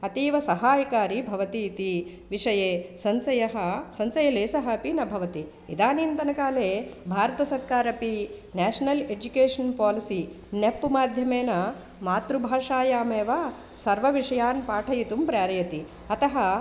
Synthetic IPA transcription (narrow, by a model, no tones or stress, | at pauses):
ɐt̪iːʋɐsɐɦaːjɐkaːɾibʱɐʋɐt̪iːt̪i | ʋiʂɐjeːsɐnsɐjɐɦɐ̆sɐ̃nsɐjɐleːsɐɦɐ̆ɐpinɐbʱɐʋɐt̪i | id̪aːniːnt̪ɐnɐkaːleːbʱaːɾɐt̪ɐsɐɾkaːɾɐpinɛːʂɐnɐled͡ʒukeːʂɐnpaːlisi | nepːumaːd̪ʱjɐmeːnɐ | maːt̪ɾubʱaːʂaːjaːmeːʋaː | sɐɾʋɐʋiʂɐjaːnpaːʈʰɐjit̪umpɾaːɾɐjɐt̪i | ɐt̪ɐɦɐ